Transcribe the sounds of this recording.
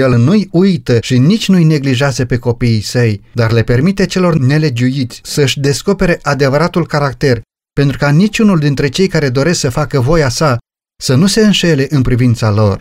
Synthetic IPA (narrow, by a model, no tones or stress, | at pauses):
jelnujujt̪əʃinit͡ʃʲnujne̞ɡliʒeazəpe̞ko̞piːsəjd̪arle̞pe̞rmit̪e̞t͡ʃe̞lo̞rne̞le̞d͡ʒuit̪sʲsəɨʃʲd̪e̞sko̞pe̞ɾe̞ʔad̪e̞vəɾat̪ulkaɾakt̪e̞r | pe̞nt̪ɾukanit͡ʃʲunuld̪int̪ɾe̞t͡ʃe̞jkaɾe̞d̪o̞ɾe̞sksəfakəvo̞jasa | sənuse̞ɨnʃe̞le̞ʔɨnpɾivint̪salo̞r